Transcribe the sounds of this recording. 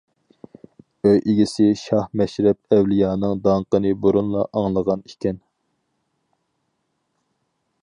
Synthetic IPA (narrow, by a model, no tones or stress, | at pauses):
øjʔeɡʲisɪʃɑhmɛʃɾɛp̚ɛwlijɑːnɨŋd̪ɑɴqənɨboɾunlˠɑ̰ʔɑŋlˠəʁɑnikʲɛn